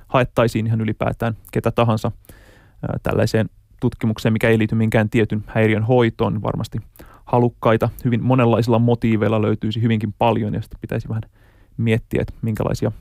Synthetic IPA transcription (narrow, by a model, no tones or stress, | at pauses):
hɑet̪ːɑisiːniɦɑnylipæ̰ːt̪æːnket̪æt̪ɑɦɑnsɑ̰ | t̪æ̰lːæ̰iseːn | t̪ut̪kimukseːmikæeiliːt̪ymiŋkæːnt̪iet̪ynhæjriønɦo̞it̪o̰ːnʋɑ̰rmɑ̰st̪ihɑlukːɑjt̪ɑhyʋinmonelːɑisilːɑmot̪iːʋeilːɑlø̰yt̪yːsihyʋiŋkimpɑljo̰njɑ̰si̥t̪ːpit̪æ̰isiʋæhæn | miet̪ːiæ̰t̪miŋkæ̰lɑ̰isiɑ